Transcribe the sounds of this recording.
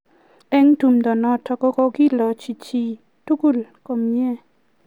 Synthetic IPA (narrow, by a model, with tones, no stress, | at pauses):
ɛ˦ŋtu˨mdɔ˨nɔ˨tʰɔ˨kɔ˦kɔ˦ɡi˦lɔ˨t͡ʃi˨t͡ʃi˨ | tu˦ku˦˨lkɔ˨mjɛ˦